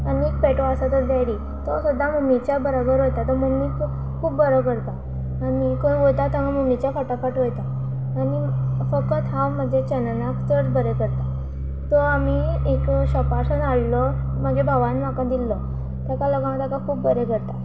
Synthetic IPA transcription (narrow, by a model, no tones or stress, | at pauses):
ənek̚pɛʈoəsat̪əɾd̪aɾi | t̪ɔsud̪ʱːamumit͡ɕjabəɾabəɾɦojt̪at̪əɾmumik | kʰuːpbəɾəkəɾt̪aː | mikə̃ʋojt̪at̪amamumit͡ɕjafəʈapaʈɦojt̪aː | nifəkət̪ɦãwm̤əd͡ʑet͡ɕənənakt̪əɾbəɾekəɾt̪a | t̪ɔamiekɕəpasənaɽlɔ | məɡebʱaʋanm̤akãd̪ilːɔ | t̪akalɔɡãməd̪jakakʰuːpbəɾekəɾt̪a